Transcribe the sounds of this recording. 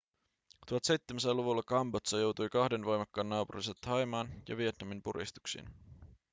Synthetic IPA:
t̪uɦɑt̪se̞jt̪ːemes̬æluʋulːɑkɑmbot̪sɑjo̞wt̪ujkɑhde̞nʋo̞jmɑkːɑːnːɑːpuriset̪ʰɑjmɑːnjɑ̰ʋie̞t̪nɑmimpuɾḭst̪u̥ksḭn

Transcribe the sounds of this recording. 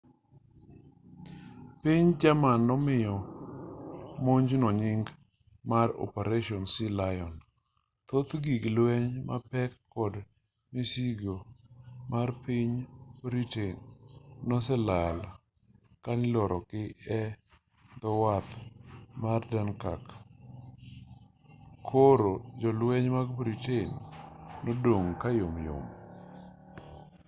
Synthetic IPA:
piɲd͡ʒamanːɔmɪjɔ | moɲd͡ʒnɔɲɪŋɡ | marɔ̰peɾeʃɔnsɪlajɔn | t̪ot̪ɡiɡlwɛɲma̰pɛkːɔd | misiɡomarpiɲbɾitenː | ɔsɛlala | kanɪlɔɾʔɔkɪɛ | d̪ɔwat̪mardɛnkak | kʰoɾod͡ʒɔlwɛɲmaɡbɾitenː | odoŋkajomjo̰m

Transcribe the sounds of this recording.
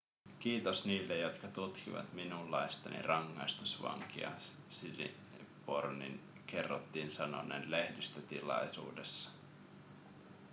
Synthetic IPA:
k̟iːt̪osniːlːejo̞t̪kɑt̪ut̪kiʋɑ̰t̪minulːɑjst̪ɑnḭrɑŋːɑjst̪usʋɑ̰ŋkiɑ̰ | silḭ | pornḭn | ke̞rːot̪ːiːnsɑno̰nḛːnle̞hdist̪ət̪ilɑjsṵːdesːɑ̥

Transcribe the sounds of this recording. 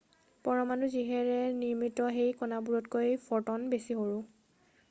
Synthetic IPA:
pɔɹɔmanuziɦɛɹɛniɹmitɔɦejkɔnabuɹɔtkojfʰɔtɔnbesiɦoɹʊ̃

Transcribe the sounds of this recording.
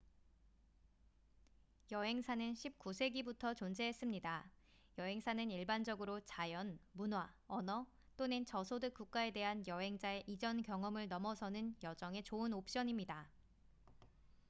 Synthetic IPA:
jʌɦe̞ŋsʰanɯnɕʰip̚k͈usʰe̞ɡibutʰʌt͡ɕond͡ʑe̞ɦes͈ɯmɲida | jʌɦe̞ŋsʰanɯniɭband͡ʑʌɡɯɾot͡ɕajʌnmunɦwaʌnʌ | t͈onent͡ɕʌsʰodɯk̚k͈uk̚k͈ae̞de̞ɦanjʌɦe̞ŋd͡ʑae̞ʔid͡ʑʌnkjʌŋʌmɯɭnʌmʌsʰʌnɯnjʌd͡ʑʌŋe̞t͡ɕoɯnop̚ɕ͈ʌɲimɲida

